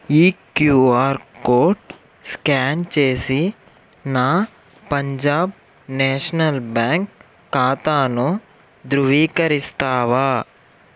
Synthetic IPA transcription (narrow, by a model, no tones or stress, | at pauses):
iːkjuːaːɾkoːɾʈ | skaːnt͡ʃeːsi | naː | pɐɲd͡ʒaːb | neːʂɐnɐlbaːŋkː | aːt̪aːnu | d̪ɾuʋiːkɐɾist̪aːʋaː